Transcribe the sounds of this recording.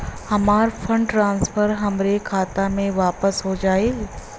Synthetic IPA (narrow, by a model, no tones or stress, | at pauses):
hɐmaːɾfʰə̃ɳɖʈɾãːnspʰəɾɦɐmɾekʰaːt̪amẽʋaːpəsɦod͡ʒaːeːl